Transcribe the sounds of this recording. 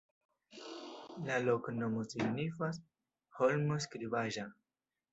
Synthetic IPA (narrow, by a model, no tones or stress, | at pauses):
laloknomosiɡnifas | holmoskɾibaʒa